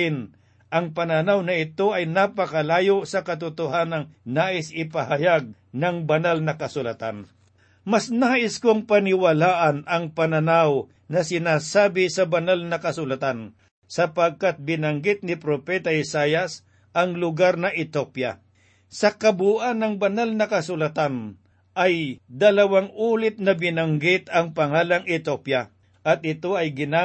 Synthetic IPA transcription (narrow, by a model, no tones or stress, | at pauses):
ɪn | ʔɐŋpɐnɐnawnɐɪt̪o̞ʔɐjnapɐkɐlaːjosɐkɐt̪ʊt̪ʊɦanɐŋnaːʔɪsɪpɐhɐjaɡ̚ | nɐŋbɐnalnɐkɐsʊlɐt̪an | mɐsnaːʔɪskoŋpɐnɪwɐlaːʔɐnɐŋpɐnɐnaw | nɐsɪnaːsaːbɪsɐbɐnalnɐkɐsʊlɐt̪an | sɐpɐɡ̚kat̪̚bɪnɐŋɡɪt̪̚nɪpɾopɛt̪ɐɪsaːjɐs | ʔɐŋlʊɡaɾnɐʔɪt̪opjɐ̰ | sɐkɐbuːʔanɐŋbɐnalnɐkɐsʊlɐt̪an | ʔɐjd̪ɐlɐwaŋʔuːlɪt̪̚nɐbɪnɐŋɡɪt̪ɐŋpɐŋaːlɐŋʔɪt̪opja | ʔɐt̪̚ɪt̪o̞ɐjɡɪna